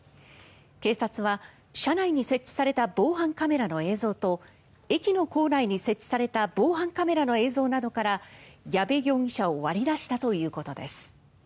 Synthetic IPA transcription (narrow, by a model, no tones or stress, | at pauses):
ke̞ːsat͡sɨβa | ɕanaiɲ̟ise̞t͡ɕːi̥saɾe̞t̪abo̞ːɦãŋkame̞ɾano̞e̞ːzo̞ːt̪o̞ | e̞kʲino̞ko̞ːnaiɲ̟ise̞t͡ɕːi̥saɾe̞t̪abo̞ːɦãŋkame̞ɾano̞e̞ːzo̞ːnad̪o̞kaɾajabe̞ɡʲo̞ːɲʲiɕaoβaɾʲid̪aɕi̥t̪at̪o̞jɯ̟ːko̞t̪o̞d̪e̞sɨ̥